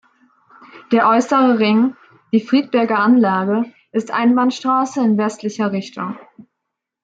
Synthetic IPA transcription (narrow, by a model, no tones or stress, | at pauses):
d̥eːɐʔɔʏsəʁəʁɪŋ | d̥iːfʁ̥iːt̚b̥ɛɐɡɐʔanlaːɡə | ʔɪstʔa̰ɪnbanʃtʁ̥aːsəɪnvɛstlɪçɐʁɪçtʰʊŋ